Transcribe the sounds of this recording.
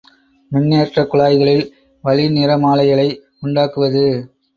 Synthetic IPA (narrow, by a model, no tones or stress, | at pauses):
mʊnːeːʈrɐkːʊɭaːjɣɐɭɪl | ʋɐlɪnɪɾɐmaːlɐɪjɐɭɐɪ | ʊɳɖaːkɯʋɐðɯ